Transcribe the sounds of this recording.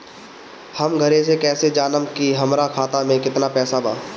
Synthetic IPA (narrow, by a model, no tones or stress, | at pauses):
hɐmɡʱɐɾẽs̬ekɛːsed͡ʒaːnəmkiɦɐmɾakʰaːt̪amẽkɪt̪napɛːsabaː